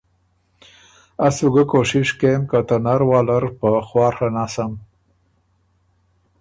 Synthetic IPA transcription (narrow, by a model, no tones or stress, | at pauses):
asuɡəkoʂɪʂkemkat̪anaɾwɑːlaɾpəxwɑːɾxanasam